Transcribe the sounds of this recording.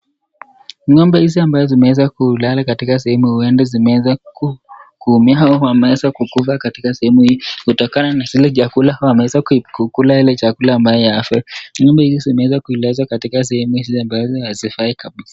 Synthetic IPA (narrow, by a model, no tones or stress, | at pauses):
ɲɔmbɛhiziambazɔzimɛwɛzakulalakatikas̬ɛhɛmuhuɛndɛzimɛɛzakukuumiaaɔwamɛɛzakukufakatikasɛhɛmuhiɔhutɔkananazilɛt͡ʃakulawamɛwɛzakkukulailɛt͡ʃakulaːmbajɔjaafɛɲɔmbɛhizizimɛwɛzakuilazwakatikas̬ɛhɛmuhiziambazɔhazifaikaɓisḁ